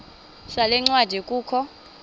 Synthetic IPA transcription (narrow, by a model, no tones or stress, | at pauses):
salɛŋ͡ǀwad̥ʱɛkʼuːkʰɔ